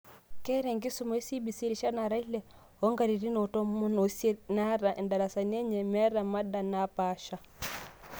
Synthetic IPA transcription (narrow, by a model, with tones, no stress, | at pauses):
kɛ˦ɾɛ˨ŋɡi˦su˨mɔ˦i˦si˦bi˨si˦ɾi˨ʃa˦na˨ɾa˦i˦lɛ˨ | ɔ˦ŋɡa˨ɾi˨ɾi˦no˨tɔ˦mu˦nɔ˨se˦na˦ɾa˨ʔnda˨la˨sa˨ni˦e˦ɲɛ˨mɛ˦ɾa˨ma˦da˨na˨˦pa˨˦ʃa˨